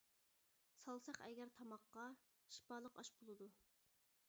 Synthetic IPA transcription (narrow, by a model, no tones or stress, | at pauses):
sɑlˠsɑχɛɡʲɛɾt̪ʰɑmɑqːɑ | ʃi̥pɑːlˠəqɑ̰ʃbolˠɨd̪u